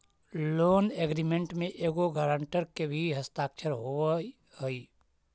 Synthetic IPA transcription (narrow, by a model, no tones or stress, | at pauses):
loːneːɡɾimẽɳʈmẽʔeːɡoɡəɾəɳʈəɾkebʱiɦəst̪aːkt͡ʃʰəɾɦo | ɦəi